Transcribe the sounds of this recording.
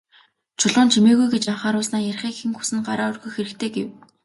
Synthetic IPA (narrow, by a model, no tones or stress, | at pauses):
t͡ɕʰʊɮʊːnt͡ɕʰimeːɣujɡet͡ɕaɴχaːɾʊːsnaːjæɾ̆ʲχiːkxĭŋxu̥sɘ̆nɢa̰ɾaːʊrɣujxeɾɘ̆kt̪ʰeːɡḛw